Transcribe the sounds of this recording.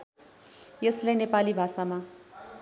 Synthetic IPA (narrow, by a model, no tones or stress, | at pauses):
jeslenepalibʱasama